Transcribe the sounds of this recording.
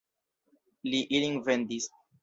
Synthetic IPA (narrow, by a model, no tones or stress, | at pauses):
liʔiliŋvendis